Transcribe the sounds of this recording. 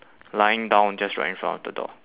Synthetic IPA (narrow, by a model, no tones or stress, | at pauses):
laɪɪ̃ŋdãʊ̃nd͡ʒʌstɹa̰ɪɪ̃ŋfɹã̰ntɔvdədɔ̰